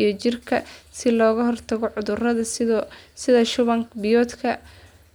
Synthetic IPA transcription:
jɞt͡ʃɪrkʰɐsɪlɔːɣɐɦɔrt̪ʰɐɣɔʕʊðʊrɐðɐsɪðɐʃʊβɐŋkbɪjɔːd̪kʰɐ

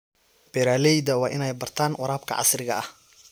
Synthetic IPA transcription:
b̥ɛɾaːlɛjd̪ɐwɑːʔɪnɛjbɐrt̪ʰaːnʔʊɾaːbkʰɐ̰ʕɑ̰srɪɣɐʔɐh

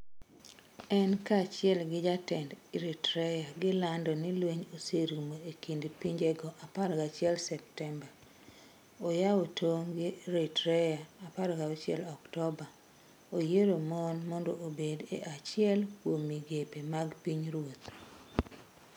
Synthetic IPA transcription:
ɛnkat͡ʃɪɛlɡɪd͡ʒatɛndiɾitɾɛjaɡɪlandɔnɪlweɲoseɾmoekindpiɲd͡ʒɛɡɔʔapaɾɡat͡ʃɪɛlsɛp̚tɛmba | ojawotʰoŋɡɪɾitɾɛjaːpaɾɡaot͡ʃɪɛ̰lɔktɔba | ojeɾomonmɔndɔʔobedḛʔat͡ʃɪɛlkwomiɡepemaɡpiɲɾwot̪

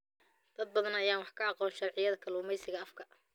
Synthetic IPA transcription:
d̪̥ɐd̪̚bɐðɐnɐjaːnwɑħkʰɐɑqɔːnʃɑrʕɪjɐðɐkʰɐluːmɛjsɪɣɐɐfkʰɐ

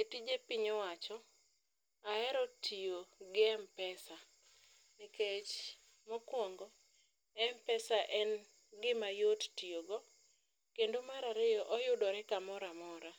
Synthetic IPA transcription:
etid͡ʒepiɲɔwat͡ʃɔ | aɛɾɔtʰioɡɪɛmpɛsa | nɪket͡ʃ | mɔkwɔŋɡɔ | ɛmpɛsaʔɛn | ɡɪmajottioɡɔ | kendomaɾaɾɪjɔʔɔjʊdɔɾɛkamɔɾamɔɾa

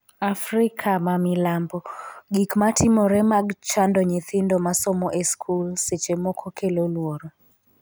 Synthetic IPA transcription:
afɾɪkʰamamɪlambɔɡikmatʰɪmɔɾɛmaɡt͡ʃandɔɲɪt̪ɪndomasɔmɔʔeskʰulset͡ʃemɔkʰɔkʰelolwoɾo

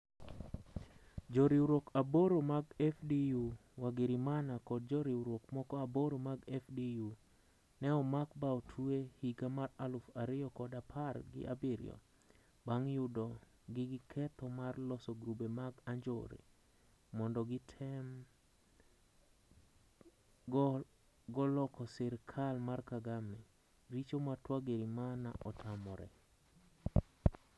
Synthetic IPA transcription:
d͡ʒoɾiuɾokaboɾomaɡɛfdijuwaɡɪɾimanakɔd̚d͡ʒɔɾiuɾokmɔkɔaboɾomaɡɛfdiju | nɛɔmakbaotʰuehiɡamaralʊfaɾɪɔkɔdapʰarɡɪ̰ʔa̰bɪɾɪ̰jɔ̰ | baŋjudɔ | ɡɪɡɪkʰɛtɔmarlɔsɔɡɾubemaɡaɲd͡ʒo̰ɾḛ | mɔndɔɡɪtʰɛm | ɡɔlɔkɔsɪɾkʰalmarkaɡamɛ | ɾit͡ʃomatwaɡeɾimana̰ʔɔtamɔɾɛ̰

